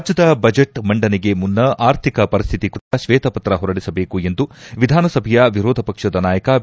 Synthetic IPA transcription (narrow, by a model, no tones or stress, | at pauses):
d͡ʒjɐd̪ɐbɐd͡ʒeʈmɐɳɖɐniɡemunːɐaːɾt̪ʰikɐpɐɾist̪ʰit̪ikuɐʃʋeːt̪ɐpɐt̪ɾɐɦɔɾɐɽisɐbeːkue̞nd̪uʋid̪ʱaːnɐsɐbʱɐjɐʋiɾoːd̪ʱɐpɐkʂɐd̪ɐnaːjɐkɐ